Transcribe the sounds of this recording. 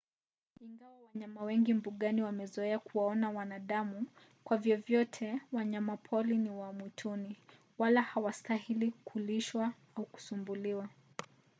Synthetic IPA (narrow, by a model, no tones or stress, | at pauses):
iŋɡawawaɲamawɛŋɡimbuɠaniwamɛzɔɛakuwaɔnawanaɗamu | kwavjɔvjɔtʰɛwaɲamapʰɔliniwamwitʰuni | walahawastahilikʰuliʃwa | auku̥sumbuliwa